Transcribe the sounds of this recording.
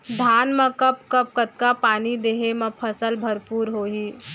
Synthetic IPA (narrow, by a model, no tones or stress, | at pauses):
d̪ʱaːnmɐ̃kɐpkɐp̚kət̪̚kapaːnid̪eːɦemɐ̃pʰɐsəlbʱɐɾpuːɾɦoːɦiː